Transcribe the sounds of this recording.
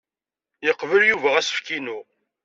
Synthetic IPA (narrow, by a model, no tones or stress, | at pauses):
jəqːvəljuvæʁæsə̥fkinu